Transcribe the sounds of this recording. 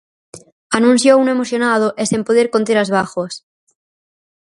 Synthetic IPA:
anũnθjoune̞moθjonað̞oʔesempoðeɾkont̪̬eɾazβaxwas

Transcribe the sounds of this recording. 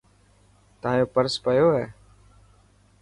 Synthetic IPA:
t̪əãːjoːpəɾspəjoːɦɛː

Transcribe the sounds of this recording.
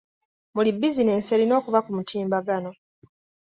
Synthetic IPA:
mulibːizine̞ːnse̞lino̞ːkuβakumutiːmbaɡano̞

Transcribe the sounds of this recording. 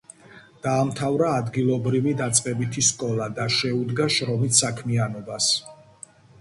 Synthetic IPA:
d̪̥aːmt̪ʰavɾaːd̪ɡilˠɔbɾivid̪at̪sʼqʼɛbit̪ʰiskʼɔlˠad̪aʃɛud̪ɡaʃɾɔmissːakʰmianɔbas

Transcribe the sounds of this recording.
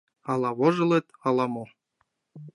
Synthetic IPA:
ɑlˠɑβŏʒɤ̆lˠĕt̪ɑlˠɑmo

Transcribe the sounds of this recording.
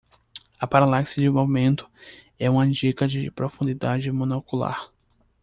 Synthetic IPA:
ɐpaɾalaksɐd͡ʒɪmovmẽnt̪ʊ̥ | ɛũmɐ̃d͡ʒikɐd͡ʒɪpɾofũnd͡ʒ̪id̪ad͡ʒɪmõnɛkula̰ɾ

